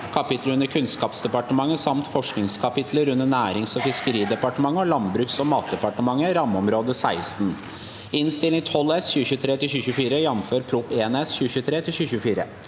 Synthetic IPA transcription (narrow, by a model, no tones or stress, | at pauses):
kʰɑpɪt̪ʰləɾʉnːəɾkʰʉnskɑːpsd̪ɛpɑʈəmɑŋːəsɑmt̪fɔʂknɪŋskʰɑpɪt̪ʰləɾʉnːənæːɾɪŋsɔfɪskəɾiːd̪ɛpɑʈəmɑŋːəɔlɑnbɾʉːksɔmɑːt̪̚d̪ɛpɑʈəmɑŋːəɾɑmːɔmɾoːd̪əsæɪst̪n̩ | ɪnst̪ɪlɪŋt̪ʰɔlɛsçʉːəçʉːət̪ʰɾeːt̪ɪlçʉːçʉːfiːɾəjɛmːmføːɾpʰɾʊpeːɛnɛsçʉːəçʉːət̪ʰɾeːt̪ʰɪlɕçʉːɕʉːfiːɾə̰